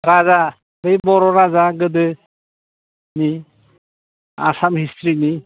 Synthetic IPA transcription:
ɾaza | ɾɯjbɔɾɔɾazaɡɯdɯ | ni | a̰samɦistɾini

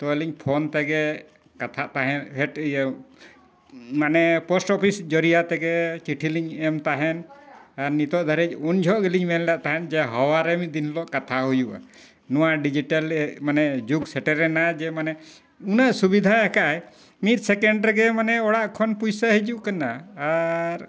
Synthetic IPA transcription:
t̪ɔɛliɲpʰont̪ɛɡɛ | kat̪ʰaʔt̪aɦɛnhɛʈ | manɛpɔsʈɔpʰisd͡ʒɔɾijat̪ɛɡɛt͡ʃiʈʰiliɲɛmt̪aɦɛnaɾnit̪ɔʔd̪ʱaɾɛc̚und͡ʒʱɔʔɡɛliɲmɛllaʔt̪aɦɛnd͡ʒɛɦɔwaɾɛmid̪inlɔʔkat̪ʰaɦujuʔa̰ | nɔwaɖid͡ʒiʈalɛmanɛd͡ʒuɡsɛʈɛɾɛnad͡ʒɛmanɛ | unaʔsubid̪ʱajakaj | mit̪̚ˀsɛkɛɳɖɾɛɡɛmanɛɔɽaʔkʰɔnpujsaɦid͡ʒuʔkanaː | ɾ

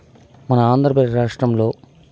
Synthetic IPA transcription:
mɐnɐaːnd̪ɾɐpɐɾaːʂʈɾɐmlo̞ː

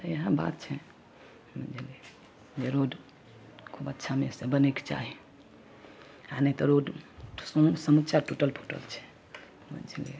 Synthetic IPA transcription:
jəɦə̃ba̰t̪̚t͡ʃʰɛ | mənd͡ʒili | d͡ʒeɾoɖ | kʰubətːʃʰamesebəneke̥t͡ʃa̰ɦi | anəit̪ɔɾoɖssəmət͡ʃaɾʈuʈəlpʰu̥ʈə̰lt͡ʃʰɛ̥ | mə̰nd͡ʒʱlḭ

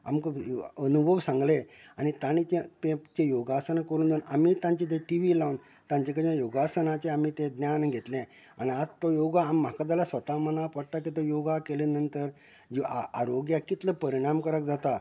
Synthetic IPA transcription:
a̰mkəənubʱəʋsãŋɡleañit̪añit͡ɕet̪ẽt͡ɕejoɡasənakəɾuːnd̪eunamiːt̪ãɲt͡ɕit̪ẽʈiʋilaun | t̪ãɲt͡ɕekəd͡ʑjãjoɡasənat͡ɕeam̤iːt̪ẽd̪njanɡʱet̪lẽ | a̰ñiad͡zt̪ɔjoɡaːm̤ːakad̪alasʋət̪amənapəɽʈak̬it̪̬ɔjoɡakelenənt̪əɾ | d͡ʑaa̰ɾoɡjakit̪ləpəɾiɽ̃amkəɾəkd͡zat̪a

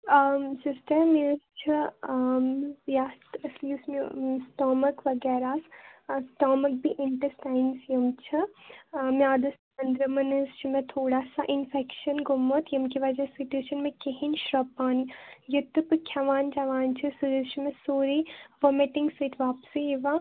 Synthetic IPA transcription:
sisʈɐɾmest͡ʃʰi | jaːst̪ɐsiːsmṵsʈɔːmɐkʋɐɡɛːɾaːssʈɔːmɐk̚biʔɪɳʈəɾsʈaːɪnsjɐmt͡ʃʰɐ | mjaːd̪ɐs | ɐnd̪ɾɐmɐnɐst͡ʃʰimẽt̪ʰoːɽaːsaʔɪnfɛkʃɐnɡumːot̪jɐmkiʋɐd͡ʒɐsiʈuːʃɐnmẽkeɦinʃɾɐpːaːnijɐt̪ːupɨkʰjɐʋaːnd͡ʒɐʋaːnt͡ʃʰisuɾst͡ʃʰimẽsoːɾiʋɐmeʈĩŋɡseʈ̪ʰʋaːpsiiʋa

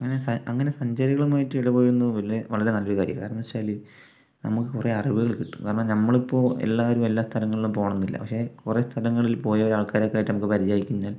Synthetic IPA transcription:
ɐŋːɐnesɐɐŋːɐne̞sɐɲd͡ʑɐɾiɣɐɭumaːjiʈːɨiɽɐpo̞ːjiɾunːuʋɐlɾeʋɐɭɐɾenɐlʋiɣaːɾḭɐ̰kaːɾɐɳnɐʋɐt͡ɕːaːli | nɐmukːɨkure̞ɐriʋiɣɐɭkiʈːu̥kaːrɐɳɐmnɐmːɐɭipːo̞ːḛlːaːʋoɾumelːaːst̪ʰɐlɐŋːɐɭilumpo̞ːɳɐnːilːɐ̰pɐ̰kʂe̞kure̞st̪ʰɐlɐŋːɐɭilpo̞ːjɐʋɐɾaːɭkaːɾokːaːjʈːnɐmukːɨpɐɾid͡ʑaːjikʲːuɲːaːl

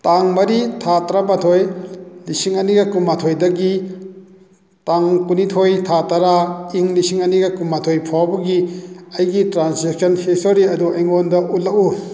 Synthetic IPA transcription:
taŋmɐɾitʰatɾabatʰojlisiŋɐniɡɐkumatʰojdɐɡi | taŋkunitʰojtʰataɾaiŋlisiŋɐniɡɐkumːatʰojpʰawbɐɡiɐjɡitɾanseksɐnhestoɾiɐduajŋondɐʔutlɐku

